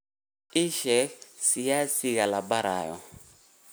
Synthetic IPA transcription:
iʃɛsijasiɣalabaɾa̰ːjɔ̰

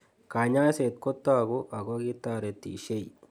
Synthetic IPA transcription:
kaɲaːset̪̚kot̪ːaːɡuʔɐɡoɡit̪ːaːɾet̪ːḭʃej

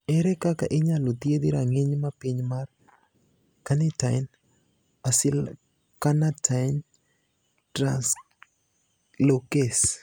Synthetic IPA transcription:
ɛɾɛkakaʔɪɲalot̪jed̪iɾaŋeɲmapiɲmar | kanɪtaɪn | asɪl | kanatʰaɪn | tɾans | lokes

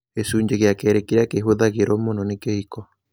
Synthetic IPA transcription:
esuɲd͡ʒeɣeakeɾekiɾakeɦoðaɣeɾomononikehikɔ

